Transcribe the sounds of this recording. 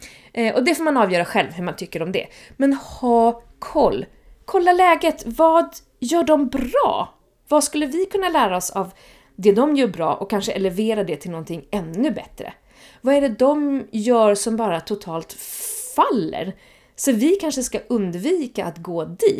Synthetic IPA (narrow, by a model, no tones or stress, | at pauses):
ʔʔɔd̪ɛfoːɾmanɑːvjœːɾaɧɛlvɦɵɾmant̪ʰʏkːəɾɔmd̪ɛ̰ | mɛnhɑː | kʰɔlː | kʰɔlːalɛːɡət̪vɑːd̪ | jœːɖɔmbɾɑ̰ː | vaskɵlːəvɪkʰɵnːalæːɾaɔsav | d̪ɛd̪ɔmjœːɾbɾɑ̰ːʔɔkʰːanʂəʔɛlɛveːɾad̪ɛt̪ʰɪlnɔnt̪ʰɪŋːɛnːɵbɛ̰t̪ɾə̰ | vaɛɖɛd̪ɔmjœːɾsɔmbɑːɾat̪ʰʊt̪ʰɑːlt̪falːə̰ɾ | sɔvɪkʰanʂəskaʔɵnd̪viːkaʔat̪ɡoːd̪iː